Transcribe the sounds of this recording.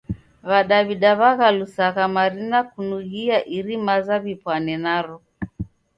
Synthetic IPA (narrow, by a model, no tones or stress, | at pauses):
βaɗaβiɗaβaɣalusaɣamaɾinakunuɣiaʔiɾimazaβipwanɛnaɾɔ